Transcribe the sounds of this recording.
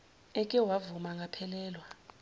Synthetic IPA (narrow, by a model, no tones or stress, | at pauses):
ɛkʼɛwavumaŋɡʱapʰɛlɛːlwa